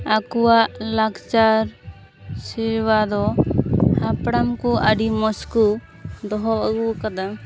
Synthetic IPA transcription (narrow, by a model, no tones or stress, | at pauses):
akuwaʔlaɡt͡ʃaɾ | siɾwad̪ɔ | hapɽamkuʔaɖimɔsku | d̪ɔɦɔbaɡukad̪am